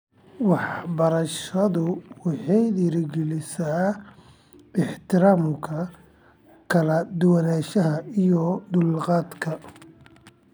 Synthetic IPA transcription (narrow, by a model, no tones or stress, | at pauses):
wɑħbɐɾɐʃɐðʊwɑħɑjd̪iːɾɡɛlɪsaː | ɪħt̪ʰɪɾaːmkʰɐ | kʰɐlɐd̪ʊwɐnaːʃɐɦɐijɔd̪ʊlqɑːd̪kʰɐ